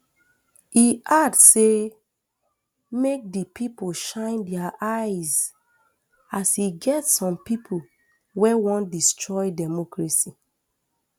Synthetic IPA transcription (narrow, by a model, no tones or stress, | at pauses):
iʔadse | mek̚dəpʰipoʃãɪ̃ndɛaʔajz | asiɡɛtsɔ̃mpipʰo | wɛwɔ̃ndistʰɹɔjdɛmɔkɹasi